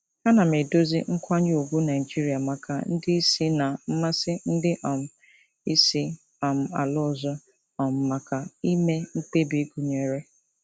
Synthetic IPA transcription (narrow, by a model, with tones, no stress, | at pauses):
ha˦na˨me˨do˦zi˦ŋ̩˦kʷa˦ɲ˦o˨ɡʷu˦na˨ɪ˨d͡ʒi˦ɾi˨a˨ma˨ka˨n̩˦dɪ˦i˦si˦na˨m̩˦ma˦sɪ˦n̩˦dɪ˦ʔɔ˨m̩˨ | i˦si˦ | ɔ˨m̩˨a̰˨lʊ˦˨zɔ˦ | ɔ˨m̩˨ma˨ka˨i˦me˦ŋ̩˦k͡pe˦bi˨˦ɡu˨ɲe˨ɾe˦